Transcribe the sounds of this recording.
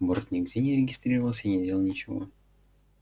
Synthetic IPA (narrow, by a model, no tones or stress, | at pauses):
bort̪nʲɪɡdʲenʲɪɾʲɪɡʲɪst̪ɾʲirəvəlˠsʲəinʲɪdʲelˠəlˠnʲɪt͡ɕɪvo̰